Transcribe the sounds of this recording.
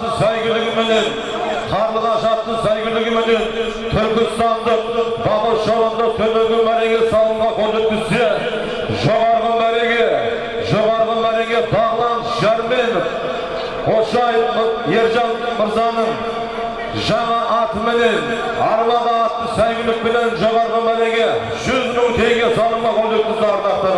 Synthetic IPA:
əsæjkʲɪlɪɡʲɪmene̞n | qʰɑɾlʁɑʃɑt̪ːəsæjkʲɪɾlɪɡʲɪmene̞n | t̪ʰʏɾkʲɪst̪ɑnd̪əq̚bɑbəʃolˠənd̪ət̪ʰɵmeŋɡ̪ʲɪmæɾe̞kʲe̞sɑlˠuʁɑkʲʰɵɾd̪eɾk̪ʲɪse̞ | ʒo̞ʁɑɾʁəmæɾe̞kʲe̞ | ʒo̞ʁɑɾʁəmæɾe̞kʲe̞bɑʁəlˠɑnəsʒæɾme̞nɪf | qʰot̪ʃɑjəfjeɾʒɑnməɾzɑnəɴ | ʒɑɴɑʔɑt̪əmene̞n | ɑɾmɑʁəɑt̪ːəsæjɡʲɪlɪk̚pene̞nʒo̞ʁɑɾʁəmæɾe̞kʲe̞ | ʒʏzmɪnut̪ʰe̞jɡʲe̞sɑlˠəɴʁɑkʲʰɵɾd̪et̪̚ɪsɑɾt̪ɑɾt̪ə

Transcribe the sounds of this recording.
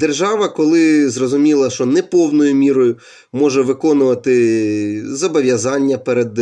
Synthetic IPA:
d̪erʒɑʋɐkɔlˠɪzrɔzʊmʲilˠɐʃt͡ʃɔnɛpɔwnɔjʊmʲiɾɔjʊ | mɔʒɛʋɪkɔnʊʋɐt̪ɪ | zɐbɔʋʲjɐzɑnʲːɐpɛɾed̪

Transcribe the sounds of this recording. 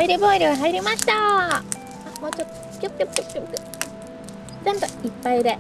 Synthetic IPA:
iɾʲibo̞ːiɾʲɯɡaɦaiɾʲimaɕi̥t̪a | amoːt͡ɕot̪ːo | kʲjopkʲokkʲokkʲopkʲo | d͡ʑãnt̪oipːaid̪e

